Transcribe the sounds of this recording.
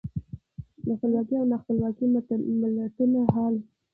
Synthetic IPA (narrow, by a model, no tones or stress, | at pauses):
d̪əxpəlwɑkiawnaxpəlwɑkimt̪məlat̪ənaɦɑl